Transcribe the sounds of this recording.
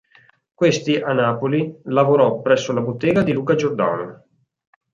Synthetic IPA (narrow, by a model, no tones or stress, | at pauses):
kwest̪iʔanːaːpolilavoɾɔpːɾɛsːolabot̪ːeːɡad̪iluːkad͡ʒord̪a̰no